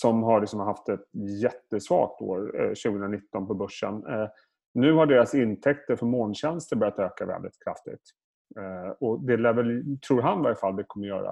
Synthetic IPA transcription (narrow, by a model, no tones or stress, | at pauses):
sɔmɦaɭɪksɔmɦaft̪ɛt̪jɛt̪ːəsvɑ̰ːk̚t̪o̰ːɾɕʉ̟ɡəɵnɾanɪt̪ːɔnpɔbɵʂːə̰n | nʉ̟ːhaɖeːɾasɪnt̪ʰɛkt̪əɾfœɾmoːnɕɛnst̪əɾbœɾjat̪øːkavɛ̰ld̪ɪ̰t̪kʰɾa̰ft̪ɪ̰ɡ̚t̪ | ɔd̪ɛlɛːvəlt̪ʰɾuːɾɦanvaɾɪfald̪ɛkʰɔmːəɾjœ̰ːɾa̰